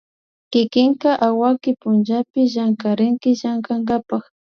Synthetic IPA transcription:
kɪkɪŋkaʔawakɪpʊnd͡ʒapɪʒaŋkaɾɪŋkɪʒaŋkaŋɡapax

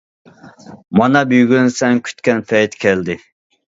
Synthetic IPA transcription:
mɑnɑbyjɡʲynsɛŋkʲʰy̥t̪kʲɛnpʰɛjt̪kʲʰɛld̪ɪ

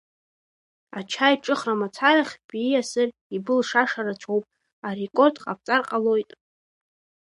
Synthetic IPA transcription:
at͡ʃʰajʈ͡ʂʼɨχramat͡sʰaɾaχʲbijasɨr | ibɨlʂaʂaɾat͡ʃʷʰowpʼ | are̞kʷʼo̞rdqʼap̚ʰt͡sʼarqʼalo̞jtʼ

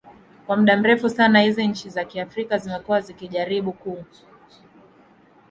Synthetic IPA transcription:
kwam̩ɗam̩ɾɛfusanahiziɲ̩t͡ʃizakiafɾikazimɛkuwazikiʄaɾiɓuku

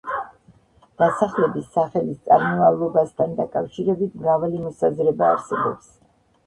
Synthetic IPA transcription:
d̪̥asaχlɛbisaχɛlist̪sʼaɾmɔvalˠɔbast̪ʰand̪akʼafʃiɾɛbit̪ʰmɾavalimɔsazɾɛba̰ːɾsɛbɔ̰ps

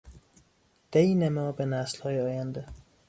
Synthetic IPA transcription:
d̪̥enemɒːbenæslhɒːjeɒːjænd̪e

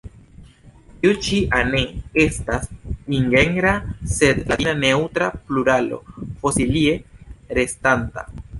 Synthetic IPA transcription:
tiut͡ʃiʔaneestasiŋɡe̞ŋɡɾase̞d̪ladinane̞wt̪ɾapluɾalo̞̰fo̞silie̞ɾe̞stanta̰

